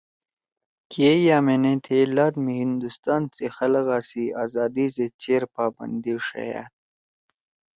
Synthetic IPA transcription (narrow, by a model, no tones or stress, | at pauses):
kiejaːmenẽt̪ʰelaːd̪mihind̪ust̪aːnt͡sexɐlɐɣaːsiaːzaːd̪izet͡ɕeːɾpaːbɐ̰nd̪iʂɐ̰ja̰ːt̪̚